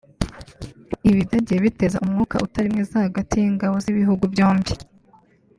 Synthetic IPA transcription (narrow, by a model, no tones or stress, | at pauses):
iβidaɟijeβite̞za̰ʔumŋuːka̰ʔutaɾimŋezahaɡatiiŋɡaβoziβiɦuɡuvjo̞ːmbi